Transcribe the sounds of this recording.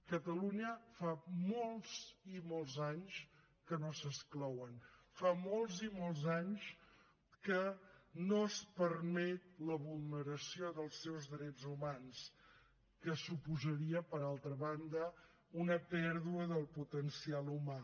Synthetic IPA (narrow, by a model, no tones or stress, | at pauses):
kət̪əluɲəfamolˠz̥imolˠzaɲs | kənosəsklɔwən | famolˠzimolˠzaɲs | kənospərmɛt̪ləβulˠnəɾəsioðəlˠsɛwzðɾɛd͡zzumans | kəsupuzəɾiəpəɾalˠt̪ɾəβand̪ə | unəpɛɾðuəðəlˠput̪ənsialˠuma